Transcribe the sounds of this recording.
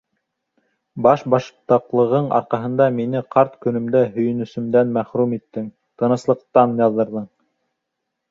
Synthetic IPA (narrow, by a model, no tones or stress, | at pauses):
bɑʃbɑʃpt̪ɑqlˠɤ̆ʁɤɴɑ̰ɾqɑɦɤ̆nd̪ɑminɘqʰɑɾt̪kɵ̆nɵ̆md̪æhɵ̆jɵ̆nɵ̆sɵ̆md̪ænmæχɾumit̪ːɘŋ | t̪ɤ̆nɤ̆slˠɤ̆q̚t̪ɑnjɑðˠːɤ̆ɾðɤɴ